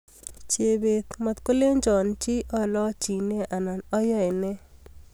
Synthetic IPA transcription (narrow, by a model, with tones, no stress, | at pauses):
t͡ʃe˨be˨t̪mɔ˨t̪ko˦le˦ɲd͡ʒɔ˨nt͡ʃi˦ʔɔ˨lɔ˦t͡ʃi˨ne˦ʔa˨na˨nɔ˦jɔ˦˨jne˦